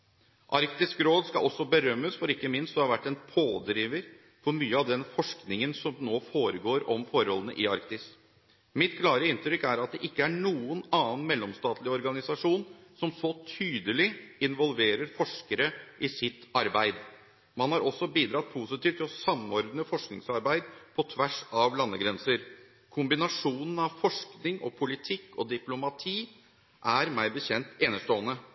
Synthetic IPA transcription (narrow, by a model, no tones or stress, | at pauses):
ʔɑɾkt̪ɪskɾoːd̪skɑ̰ʔɔsːɔbəɾœmːəsfɔɾɪkːəmɪnst̪d̪ɛhɑɾʋæʈːɛːnpʰoːd̪ɾiːʋəɾ | fɔɾmyːəɑʋd̪ɛnfɔʂknɪŋənsɔmnoːfoːɾəɡoːɾɔmfɔɾɔlːənə̰ʔɪɑɾkt̪ɪs | mɪt̪kʰlɑːɾəɪnt̪ɾʏkæɾɑt̪̚d̪ɛʔɪkːəæɳuːənɑːn̩mɛlːɔmst̪ɑːt̪lɪɔɾɡɑnɪsɑʂuːnsɔmsɔt̪ʰyːd̪əlɪɪnʋɔlʋeːɾəɾfɔʂkəɾəʔɪsɪt̪ːɑɾbæɪd̪ | mɑnhɑɾʔɔsːɔbiːd̪ɾɑt̪̚pʰuːsɪt̪iːʋt̪ʰːɪlɔsɑmɔɾd̪nəfɔʂknɪ̰ŋsɑɾbæɪd̪pʰɔt̪ʰʋæʂɑʋlɑnːəɡɾɛnsəɾ | kʰʊmbɪnɑʂuːnən̩ɑʋfɔʂknɪŋʔɔ̰pʰʊlɪt̪ʰɪkːɔd̪ɪplʊmɑt̪ʰiː | ʔæɾmæɪbəçɛnt̪eːnəʂtoːənə